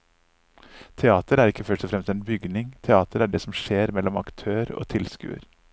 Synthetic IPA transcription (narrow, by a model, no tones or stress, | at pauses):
t̪ʰɛɑːt̪əɾæɾɪkːəfœʂʈɔfɾɛmst̪ɛeːnbʏɡnɪŋt̪ʰɛɑːt̪əɾæɖɛːsɔmʂeːɾmɛlːɔmɑkt̪ʰøːɾo̰ːt̪ʰɪlskʉ̰ːə̰ɾ